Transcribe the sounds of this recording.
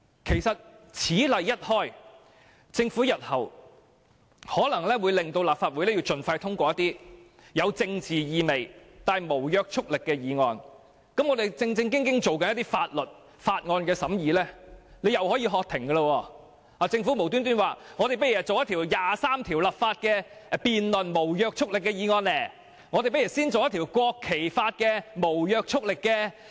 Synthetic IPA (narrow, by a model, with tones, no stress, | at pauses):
kʰe˨˩jsɐ˨t̚t͡sʰiː˨˥lɐ˨jːɐ˥t̚hɔː˥j | t͡sɪ˧ŋfuː˨˥jɐ˨t̚hɐ˨˩w | hɔː˨˥lɐ˨˩ŋlɛː˥wuː˨˧jlɪ˨ŋt̪o˧wlaː˨p̚faː˧t̚wu˨˧jlɛː˥ji˧wt͡sɵ˨nfa˧jt̪ʰʊ˥ŋkʷɔː˧jɐ˥t̪iː˥ | jɐ˨˧wt͡sɪ˧ŋt͡siː˨jiː˨˧me˨˩jt̪aː˨jmo˨˩wjœː˧k̚t͡ʃʰʊ˥k̚lɪ˨kːɛː˧jiː˨˧ŋɔː˨˧n | kɐ˨˥mŋɔ˨˧d̪e˨jt͡sɪ˧ŋt͡sɪ˧ŋkɪ˥ŋkɪ˥ŋt͡so˨wkɐ˨˥njɐ˥t̪i˥faː˧t̚lɵ˨t̚ | faː˧t̚ŋɔː˧nkɛː˧sɐ˨˥mjiː˨˧lɛː˥le˨˧jɐ˨whɔː˨˥jiː˧ɦɔː˧k̚t̪ʰɪ˨˩ŋɡɐ˧lə˧wɔː˧ | aː˨˩t͡sɪ˧ŋfu˨˥m˨˩wt̪̬yː˥nt̪̬yː˥nwaː˨ŋɔ˨˧ɾe˨jpe˥jɐ˨˩t͡so˨wjɐ˥t̪ʰiː˨˩wjaː˨saː˥mt̪ʰiː˨˩wlɐ˨p̚faː˧t̚kɛː˧piː˨nlɵ˨˩nmo˨˩wjœː˧k̚t͡sʰʊ˥k̚lɪ˨kːɛː˧jiː˨˧ŋɔː˧nlɛː˨˩ | ŋɔ˨˧d̪e˨pe˥ji˨˩siː˥nt͡so˨wjɐ˥t̪ʰːwkʷɔː˧kʰːe˨˩jfaː˧t̚kɛː˧mo˨˩wjœː˧k̚t͡sʰʊ˥k̚lɪ˨kːɛː˧